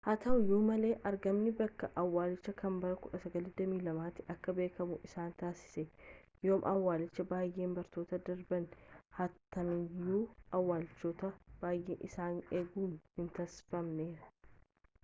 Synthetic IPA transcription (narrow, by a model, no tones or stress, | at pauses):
hɐt̪ɐʊjuːmɐle̞ːʔɐɾɡɐmnɪbɐkːɐʔɐwːaːlɪt͡ʃːɐkʰɐmbɐɾɐkʊᶑɐsɐɡɐlɪd̪ɐmiːlɐmaːt̪ːɪʔɐkːɐbe̞ːkɐmʊʔɪsaːnt̪aːsɪ̥sɛjoːmʔɐwːaːlɪt͡ʃːɐbaːjʔe̞ːmbɐɾt̪o̞ːt̪ɐd̪ɐɾbɐnhɐt̪ːɐmɪjuːɐwːaːlɪt͡ʃːo̞ːt̪ɐb̥aːjʔḛːʔɪsaːneːɡuːnhɪnt̪ɐsfɐmneːɾɐ̥